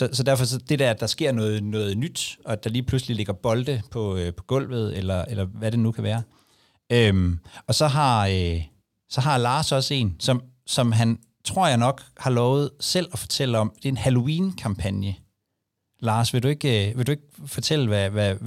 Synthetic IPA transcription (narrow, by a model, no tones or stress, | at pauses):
sɒ̽sɒ̽d̥æɐ̰fɒ̽sɒ̽d̥e̝d̥æɐæd̥ɑ̈sɡ̥e̝ɐ̰nɔ̽ːð̩ˠnɔ̽ːð̞̩ˠnyd̥ʔɒ̽æd̥ɑ̈liːpʰluslile̝ɡ̥ɐb̥ɒ̽ld̥əpʰɒ̽øpʰɒ̥̽ɡ̥ɔ̽l̰ʋð̩ˠelɐelɐʋæɾe̝nukʰæʋæːɐ | ømɒ̽sɒ̽ɦɑ̈ø | sɒ̽ɦɑ̈lɑ̈ːsɒ̽səe̝̰ːnsɒ̽m | sɒ̽mɦæn | t͡sʰʁo̝ɐ̰jɑ̈ɪnɒ̽ɡ̥hɑ̈lɒʊð̞̩ˠsel̰ɒfɒ̥̽t͡sʰel̰əɒ̽md̥e̝e̝nhælo̝iːnkʰɑ̈mpʰænjə | lɑ̈ːsʋe̝due̝ɡ̥øʋe̝ldue̝ɡ̥̚fɒ̽t͡sʰel̰əʋæʋæ